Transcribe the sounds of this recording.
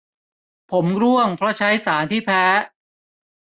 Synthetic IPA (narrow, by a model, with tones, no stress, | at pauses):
pʰo˩˦mɾu˥˩əŋpʰɾɔ˦˥t͡ɕʰa˦˥jsaː˩˦nt̪ʰiː˥˩pʰɛː˦˥